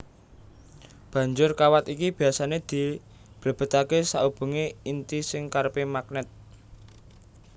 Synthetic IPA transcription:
b̥ä̤ɲd͡ʒʊrkawat̪ikib̥i̤asaned̪̥i̤ | b̥lə̤b̥ə̤t̪akesaub̥ṳŋeint̪isɪŋkarpemak̚nɛt̪̚

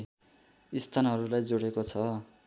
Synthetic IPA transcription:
ist̪ʰanɦʌɾulajd͡zoɽekot͡sʰʌ

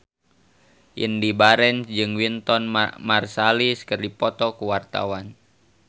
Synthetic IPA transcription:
ʔḭndibaɾɛnsd͡ʒɨŋwint̪ɔnmarsaliskərdipɔt̪ɔkuwart̪a̰wan

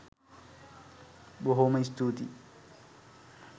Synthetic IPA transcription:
ɓoɦoːmɐist̪uːt̪ḭ

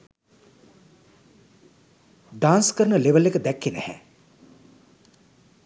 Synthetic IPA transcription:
ɖaːnskəɾənəleʋəlːekəd̪ækːenæ̰hɛ̰

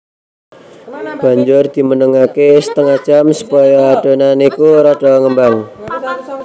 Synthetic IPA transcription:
b̥a̤ɲd͡ʒʊrd̪̥i̤mənəŋakesə̥t̪əŋḁt͡ʃamsu̥pɔjɔaɖ̥o̤nanikuɾaɖ̥ɔ̤ŋəmbaŋ

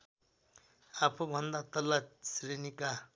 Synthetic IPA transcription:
apʰubʱʌnd̪at̪ʌlasrenika

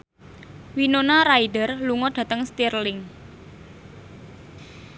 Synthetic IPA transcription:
winonaɾaidərluŋɔɖ̥ä̤t̪əŋst̪irlɪŋ

